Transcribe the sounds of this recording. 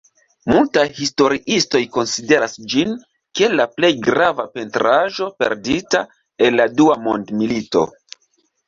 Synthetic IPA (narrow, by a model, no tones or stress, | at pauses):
multajhisto̞ɾiʔisto̞jko̞nside̞ɾasd͡ʒin | ke̞laple̞jɡɾavape̞ntɾaʒo̞pe̞̰ɾdita | e̞nladuamo̞ndmilito̞̰